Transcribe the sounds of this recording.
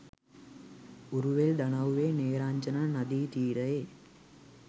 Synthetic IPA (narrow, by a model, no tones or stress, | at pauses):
uɾuʋeld̪ɐɳɐʋʋeːneːɾaːɲd͡ʒɐnɐnɐd̪iːt̪iːɾɐjeː